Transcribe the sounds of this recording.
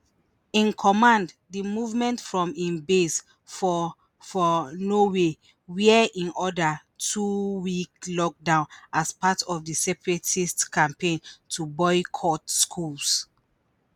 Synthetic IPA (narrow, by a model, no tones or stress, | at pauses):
ĩnkʰɔmãnd | dimuvmɛ̃ntfɹɔ̃mĩnbes | fɔ | fɔnowe | wiɛĩnʔɔda | tʰuwiklɔk̚dãʊ̃nʔaspatɔfdisɛpɹetistkãmpẽntʰubɔɪkʰɔtskʰuls